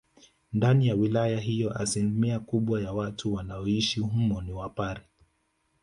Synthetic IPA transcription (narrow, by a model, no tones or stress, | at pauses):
ndanijawilajaɦijɔʔasilimiakuɓwajawatʰuwanaɔiʃiɦm̩mɔniwapaɾi